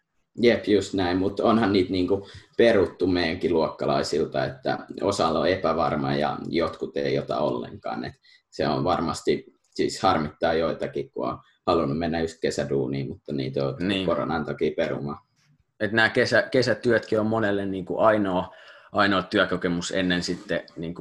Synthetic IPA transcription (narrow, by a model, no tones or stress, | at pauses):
jepjust̪næimmut̪onhɑnniːt̪niːŋkuperut̪ːumeijæŋkiluokːɑlɑisilt̪ɑet̪ːæ̰osɑlːo̰epæʋɑrmɑjɑ̰jot̪kut̪ḛijot̪ɑ̰o̰lːḛŋkɑ̰ːnḛt̪ | seo̰ʋʋɑrmɑst̪i | siːshɑrmit̪ːɑːjoit̪ɑkikkṵo̰n | hɑlunːumenːæjust̪̚kesæduːniːmut̪ːɑnḭːt̪onːkoro̰nɑnt̪ɑkiːperṵmɑ | et̪næːkesækesæt̪yøt̪kiommonelːenniːŋkṵʔɑinoːʔɑinoːt̪yækokemusḛnːensit̪ːeniːŋku